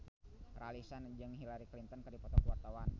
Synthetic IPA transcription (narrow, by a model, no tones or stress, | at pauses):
ralisand͡ʒɨŋɦilaɾiklint̪ənkɨrdipɔt̪ɔkwart̪awan